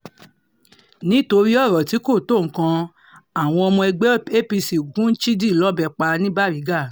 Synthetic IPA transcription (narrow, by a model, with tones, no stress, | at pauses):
nĩ˨˦to˧ɾi˦ɔ˦˨ɾɔ˨ti˨˦ko˦˨to˦˨ŋ̩˨kã˧ | a˨w̃ɔ̃˧ɔ˧mɔ̃˧ɛ˧ɡ͡bɛ˦e˦pi˧si˨ɡũ˨˦n̩˦t͡ʃi˦di˦˨lɔ˨˦bɛ˧˨k͡pa˧nĩ˦ba˦˨ɾi˨˦ɡa˦˨